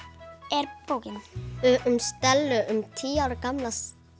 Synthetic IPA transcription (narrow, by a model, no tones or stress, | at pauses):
ɛɾpowcɪn | mst̪ɛlːʏʔʏmt̪ʰiːaːwɾɪkamlas